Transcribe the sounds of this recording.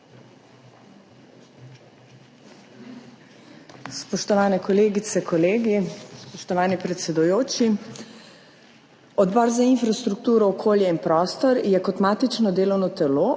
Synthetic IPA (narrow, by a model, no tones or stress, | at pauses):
spɔʃt̪ɔʋaːnɛkɔleːɡit̪sɛkʰɔleːɡispɔʃt̪ɔʋaːnipɾɛt̪sɛd̪ujoːt͡ʃi | ɔd̪bɔːɾzainfɾast̪ɾuk̚t̪uːɾɔːkʰoːljɛinpɾɔːst̪ɔɾjɛkɔt̪maːt̪it͡ʃnɔd̪eːlɔwnɔt̪ɛloː